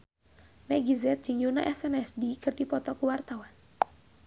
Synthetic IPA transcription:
mɛɡizɛt̪̚d͡ʒɨŋjuna̰ʔɛsɛnɛsdikɨrdipɔt̪ɔkuwart̪awan

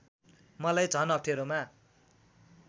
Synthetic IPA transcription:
mʌlajt͡sʌnʌk̚ʈʰeɾoma

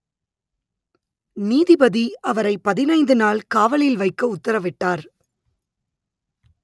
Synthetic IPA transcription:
niːðɪbɐðiʔɐʋɐɾɐɪpːɐðɪnɐɪnd̪ɯnaːlkaːʋɐɭɪlʋɐɪkːɐʊt̪ːɐɾɐʋɪʈːaːɾ

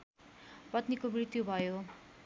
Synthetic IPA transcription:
pʌt̪nikomrit̪jubʱʌjo

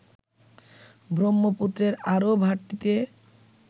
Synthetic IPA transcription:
bʱɾomːoput̪ːɾeɾaɾobʱaɾʈ̪ːit̪e

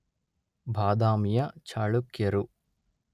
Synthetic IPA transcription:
bʱaːd̪aːmijɐt͡ʃʰaːɭukjɐɾu

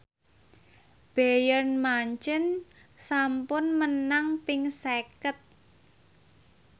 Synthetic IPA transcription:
b̥ejərnmaɲt͡ʃən | sampʊnmənaŋpɪŋsekət̪̚

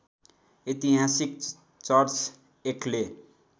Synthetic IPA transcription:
it̪iɦasik | t͡sʌrt͡s | ekʰle

